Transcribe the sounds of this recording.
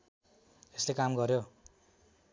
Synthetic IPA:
eslekamɡʌɾjo

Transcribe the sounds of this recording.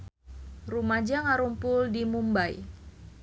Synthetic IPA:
rumad͡ʒaŋaɾumpʊldimumbaj

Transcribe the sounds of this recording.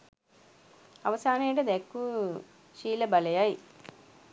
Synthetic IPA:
ɐʋɐsaːneːʈɐd̪ekːu | ʃiːlɐbɐlɐjaji

